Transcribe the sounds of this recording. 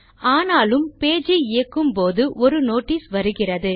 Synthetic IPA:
aːnaːlɯmpeːd͡ʒiɪjɐkːɯmpoːðɯʔɔɾɯnoːʈːiːsʋɐɾɯɣɪrɐðɯ

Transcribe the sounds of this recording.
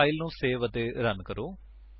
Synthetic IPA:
aːilnũːseːʋət̪eːɾənkəɾoː

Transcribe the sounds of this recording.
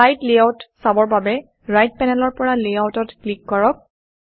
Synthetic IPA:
ajtliawtsabɔɹbabɛ | ɹajt̚pɛnɛlɔɹpɔɹaliawtɔtklikːɔɹɔk̚

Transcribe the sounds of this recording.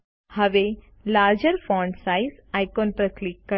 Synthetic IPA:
hɐʋe | laːɾd͡ʒəɾfɔɳɖsaizajkonpɾəklikːə

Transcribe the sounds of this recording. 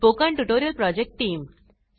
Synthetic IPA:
poːkãɳʈuʈoːɾijəlpɾɔːd͡ʒek̚ʈːʈĩːm

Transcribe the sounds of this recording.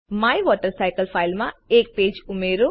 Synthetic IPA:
maːjʋɔːʈəɾsaɪkəlpʰaːɪlmãeːk̚peːd͡ʒʊmeːɾo

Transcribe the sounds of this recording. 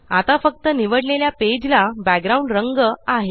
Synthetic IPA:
at̪afək̚t̪əniʋəɽleljaped͡ʑlabæɡ̚ɡɾauɳɖɾəŋɡəaɦe

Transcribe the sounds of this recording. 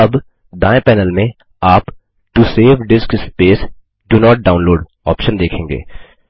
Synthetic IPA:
ɐb | d̪ãːẽpɛːnəlmẽ | aːp | ʈuseːʋɖɪskspeːs | ɖunɔːʈ̚ɖaːʊ̃nloːɖ | ɔ̰ːpʃə̃nd̪eːkʰẽːŋɡḛː

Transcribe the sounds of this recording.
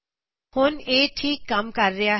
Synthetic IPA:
hʊneːʈʰiːkːɐmkɐɾːɪja

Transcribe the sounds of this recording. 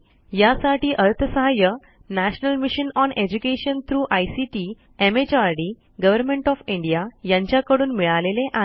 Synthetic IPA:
jasaʈiːʔəɾt̪ʰəsəɦajə | næɕnəlmiɕənɔned͡ʑukeɕənt̪ʰɾuːʔajsiʈiː | emet͡ɕaɾɖi | ɡəʋəɾmẽɳʈɔfiɳɖijajãɲt͡ɕjakəɽuːnmiɭaleleʔa

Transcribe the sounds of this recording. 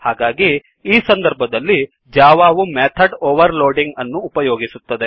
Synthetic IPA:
haːɡaːɡi | iːsɐnd̪ɐɾbʱɐd̪ɐlːi | d͡ʒaːʋaːʋumet̪ʰɐɖoːʋɐɾloːɖiŋɡɐnːuːpɐjoːɡisut̪ːɐd̪e̞

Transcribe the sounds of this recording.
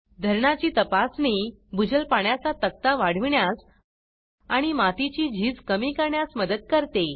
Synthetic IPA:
d̪ʱəɾɳat͡ɕiːt̪əpasni | bud͡ʑəlpaɳjat͡sat̪ək̚t̪aʋaɽ̤iʋɳjas | aɽ̃imat̪it͡ɕiːd͡ʑʱiːd͡zkəmikəɾɳjasməd̪əd̪̚kəɾt̪e

